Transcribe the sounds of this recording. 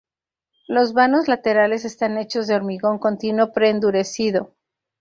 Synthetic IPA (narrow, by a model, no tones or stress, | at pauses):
lo̞zβano̞zlat̪e̞ɾale̞s̬e̞st̪ane̞t͡ʃo̞zðeo̞ɾmiɣo̞ŋko̞nt̪inwo̞pɾe̞ːnd̪uɾe̞siðo̞